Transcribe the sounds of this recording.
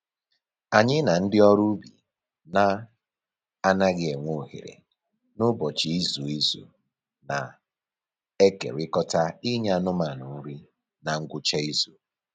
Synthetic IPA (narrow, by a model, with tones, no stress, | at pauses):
a˨ɲɪ˦na˨n̩˦dɪ˦ɔ˦ɾu˦bḭ˨ | na˦ | a˦na˦ɡɪ˦e˨ŋʷo˦˨hḛ˨ɾḛ˨ | nʊ˦bɔ˨t͡ʃi˨i˦zu˨i˦zṵ˨ | na̰˨ | e˦kḛ˨ɾɪ˦kɔ˦ta˦i˦ɲ˦a˦˨nʊ˦ma˨nʊ˨n̩˦ɾi˦ | na˨ŋ̩˦ɡʷʊ˦t͡ʃa˦i˦zu˨